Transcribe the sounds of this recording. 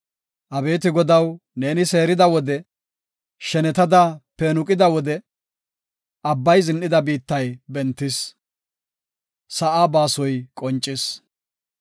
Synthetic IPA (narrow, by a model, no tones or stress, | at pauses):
ʔɐbe̞ːt̪̬ɪɡɔd̪ɐwne̞ːnɪse̞ːɾɪd̪ɐwɔd̪ɛ | ʃɛnɛt̪ɐd̪ɐpɛnʊkʼɪd̪ɐwɔd̪ɛ | ʔɐbːɐjzɪnʔɪd̪ɐbiːt̪ːɐjbɛnt̪ːɪs | sɐʔaːbaːsɔjkʼɔnt͡ʃʼːɪs